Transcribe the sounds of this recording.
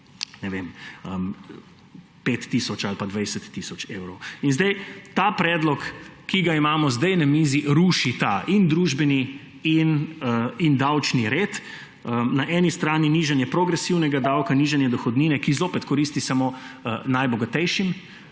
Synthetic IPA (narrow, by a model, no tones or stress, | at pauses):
nɛʋeməm | pet̪ːisɔt͡ʃalpad̪ʋajsɛt̪ːisɔt͡ʃeːwɾɔwinzd̪ɛjt̪apɾɛːd̪lɔkːiɡaimaːmɔzd̪ɛjnamiːziɾuːʃit̪aʔind̪ɾuːʒbɛni | in | ind̪awt͡ʃniɾeːt̪ | ənaʔɛːnist̪ɾaːniniʒɛnjɛpɾoɡɾɛsiwnɛɡad̪awkaniʒanjɛd̪ɔxɔd̪niːnɛkizoːpɛt̪kɔɾiːst̪isamonajbɔɡat̪ɛjʃim